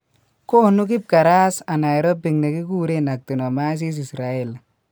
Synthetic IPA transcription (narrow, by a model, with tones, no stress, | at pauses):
ko˦nu˦kɪ˦b̚ka˨ɾa˦sa˨na˨jɾo˦bi˨ŋne˨ki˦ku˦ɾe˦na˨k̚ti˨no˨ma˦s̬i˦s̬i˨sɾa˨e˦˨l